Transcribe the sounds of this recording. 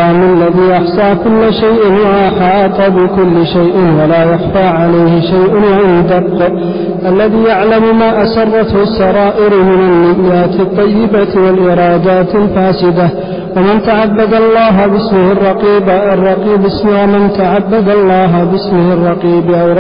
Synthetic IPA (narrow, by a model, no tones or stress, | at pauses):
mlːaðiːʔɑħsˤɑːkʊlːʃajʔwaʔɑħɑt̪ˤɑbɪkʊlːʃajʔɪnwalaːjɑxfaːʕalajhɪʃajʔwanɪd̪abq | ʔalːaðiːjaʕlammaːʔasɑrˤːɑt̪hʊsːɑɾˤɑːʔɪɾmɪnalːɪʔːaːt̪ɑt̪ˤːɑjːɪbawalʔɪɾˤɑːd̪aːt̪ɪlfaːsɪd̪a | wamɪnt̪aʕabːad̪ɑlˤːɑːɦbɪsmɪhɑrˤːɑqiːbaʔrˤːɑqiːbɪsmwamɪnt̪aʕabːad̪ɑlˤːɑːɦbɪsmɪhɑrˤːɑqiːbʔa